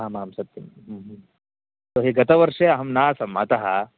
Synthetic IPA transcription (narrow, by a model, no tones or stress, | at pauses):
aːmaːmsɐt̪jɐmɦːɦ | t̪oːɦiːɡɐt̪ɐʋɐɾʂeːɐɦɐmnaːsɐmɐ̰t̪ɐɦɐ